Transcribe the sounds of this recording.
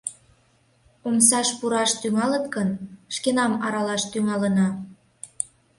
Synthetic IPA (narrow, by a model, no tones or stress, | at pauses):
omsɑʃpuɾɑʃt̪yŋɑlət̪kənʃkenɑmɑɾɑlɑʃt̪yŋɑlənɑ